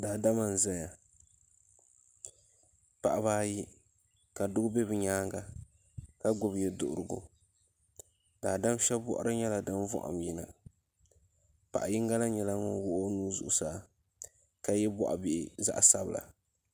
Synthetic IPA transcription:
daː˨da˦ma˨n˨zɛ˦ɲa˨ | pa˨ʔa˨baː˦ji˦ | ka˨dʊ˦ɡʊ˦bɛ˦bɨ˨ɲaː˦ŋɡa˨ | ka˦ɡʊ˨bjɛ˨dʊ̰˨ʔʊ˨ɾɨ˨ɡʊ̰˨ | daː˨da˦m˦ʃɛ˦bbɔ̰˦ʔʊ̰˦ɾʔɨ˦ɲɛ˦la˨dɨ˦n˦vɔ̰˦ʔa̰˨mji˦na̰˨ | pa̰˨ʔa˨ji˦ŋɡa˦la˦ɲɛ˨la˦ŋʊ˦nwʊ˦ʔo˦nuː˦zʊ̰˨ʔʊ˨saː˨˦ | ka˨jɛ˦bɔ˦ʔa̰˨bɪ˨ʔɪ˨za̰˦ʔsa˦bla̰˨

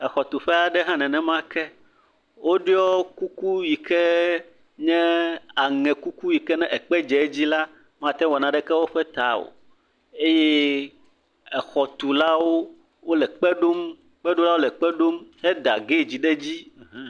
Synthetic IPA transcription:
ɛ˨xɔ˨t̪u˨ɸɛ˦a˨ɖɛ˦ɦã˦nɛ̃˨nɛ̃˨mã˦kɛ˦ | wʔo˦ɖi˦ɔ˦ku˦ku˦ji˨kɛ˦ | ɲɛ̃˦a˨ŋɛ̃˨ku˦ku˦ji˨kɛ˦nɛ̃˦ʔɛ˨k͡pɛ˦d͡ʒɛ˨˦d͡ʑi˦la˦ | mã˨t̪ɛ̃˦wɔ˨nã˨ɖɛ˦kɛ˦wo˦ɸɛ˦t̪a˨˦wo̰˨ | e˦je˦ | ɛ˨xɔ˨t̪u˨la˦wo˦ | wo˦lɛ˨k͡pɛ˦ɖo˦m | k͡pɛ˦ɖo˦la˦wo˦lɛ˨k͡pɛ˦ɖo˦mhɛ˦d̪a˨ɡe˦˨d͡ʑi˦ɖɛ˦d͡ʑĩ˦˨˦

